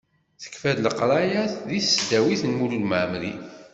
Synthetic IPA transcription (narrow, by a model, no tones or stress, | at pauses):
θə̥kfæðləqɾˤɑjæθðissd̪æwiθənmululməʕmlḭ